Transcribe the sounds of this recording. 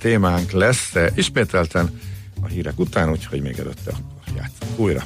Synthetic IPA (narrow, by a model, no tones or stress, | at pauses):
t̪eːmaːŋklɛsiʃmeːt̪ɛlt̪ɛn | ɒɦiːɾɛkut̪aːnuːcho̞̰ɟmeːɡɛ̰lø̰t̪ːɛɒkːorja̰ːt̪soŋkuːjrɒ̰